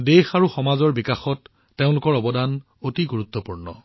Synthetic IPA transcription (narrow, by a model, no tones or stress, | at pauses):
dexaɹuxɔmazɔɹbikaxɔtː | eʊ̃lʊkɔɹɔbɔdan | otiɡuɹut̪ːɔpuɹnɔ̰